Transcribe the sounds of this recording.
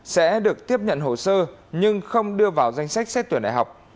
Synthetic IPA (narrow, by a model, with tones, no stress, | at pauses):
sɛ̰˧˥ɗɨ˨˩ək̚t̪i˦˥əp̚ɲə̰˧˨nɦo˧˩səː˧ɲɨ˧ŋxə˧wŋ͡mɗɨ˧əvaː˨˩wza˧jŋ̟sa˦˥k̚sɛ˦˥t̪̚i˧˩ənɗa̰˧˨˩ɦa˨˩wk͡p̚